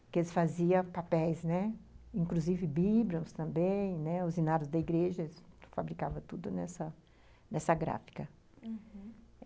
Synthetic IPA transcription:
kɪelɪsfaziɐpapɛjsnɛĩkluzivɪbiblõst̪ɐ̃mbẽj̃nɛʊzinaɾʊzd̪ɐiɡɾeʒɐsfabɾikavɐt̪ud̪ʊnɛsɐ | nɛsɐɡɾa̰fi̥kɐ

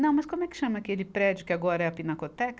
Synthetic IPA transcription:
nɐ̃w̃mɐskõmʊɛkɪ̥ʃɐ̃mɐakelɪpɾɛd͡ʒjʊkɪaɡɔɾɐɛɐpinɐkot̪ɛk

